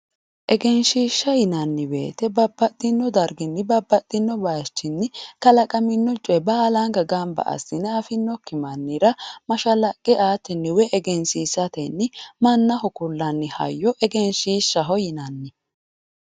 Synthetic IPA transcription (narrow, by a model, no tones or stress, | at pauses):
ʔɛɡɛnʃiːʃːɐjɪnɐnːɪbe̞̰ːt̪ɛbɐbːɐt̪ʼːɪnːɔd̪ɐɾɡɪnːɪbɐbːɐt̪ʼːɪnːɔbɐːt͡ʃːɪnːɪkɐlɐkʼɐmɪnːɔt͡ʃʼɛbaːlɐŋɡɐɡambɐ̰ʔɐ̰sɪnɛɐfɪnːɔkːɪmɐnːɪɾɐmɐʃɐlɐkʼːɪaːt̪ɪnːɪwɛʔɛɡɛnsiːsɐt̪ɛnːɪmɐnːɐhɔkʊlːɐnːɪhɐ̰jːɔʔɛɡɛnʃiːʃːɐɦɔjɪnɐnːɪ